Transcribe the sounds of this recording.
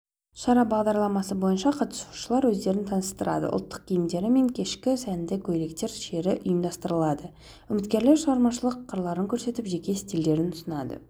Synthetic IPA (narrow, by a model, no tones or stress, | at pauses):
ʃɑɾɑbɑʁd̪ɑɾlˠɑmɑsəbo̞jənʃɑqʰɑt̪ə̥su̥ʃəlˠɑɾwɵzd̪e̞ɾɪnt̪ʰɑnəst̪əɾɑ̰d̪ə̰ʔʊ̰lˠt̪ːə̥q̚kʲʰijɪmd̪e̞ɾɪme̞ŋkʲʰe̞ʃkʲɪsænd̪ekʲʰɵjle̞kt̪e̞ɾʃe̞ɾɪʔʊ̰jəmd̪ɑst̪əɾəlˠɑd̪ə | ʏmɪt̪kʲe̞ɾle̞ɾʃəʁɑɾmɑʃəlˠəqʰːəɾlˠɑɾəŋkʲʰɵɾse̞t̪ɪpʒe̞kʲe̞st̪ild̪e̞ɾɪnʊ̥sənɑd̪ə̰